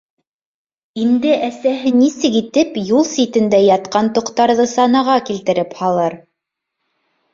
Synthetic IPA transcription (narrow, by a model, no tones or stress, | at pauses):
ind̪ɘʔæsæɦɘnisɘkit̪ɘpjulˠsit̪ɘ̆nd̪æjɑt̪̚qɑnt̪ŏqt̪ɑɾðɤsɑnɑʁɑkilt̪ɘ̆ɾɘphɑlˠɤɾ